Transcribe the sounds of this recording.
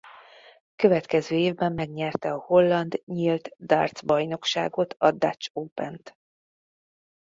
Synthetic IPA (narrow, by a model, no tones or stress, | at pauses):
kø̞vɛt̪kɛzøːeːvbɛmːɛɡɲɛrt̪ɛɒho̞lːɒnd̪ɲilt̪d̪a̰rt̪zbɒjno̞kʃa̰ːɡo̞t̪ʰɒd̪a̰t͡ʃoːpɛnt̪